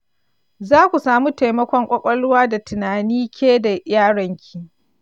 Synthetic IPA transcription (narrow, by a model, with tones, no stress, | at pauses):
zaː˦kʷu˨saː˨mu˦ta˨jmɐ˦kʷɔ˦ŋkʷʼɐ˦kʷʼɐ˦lʊ˦waː˦da˨tɪ˨naː˨niː˦kʲʰeː˦da˨jaː˦ɽɔ˨ŋkʲʰi˨ʔ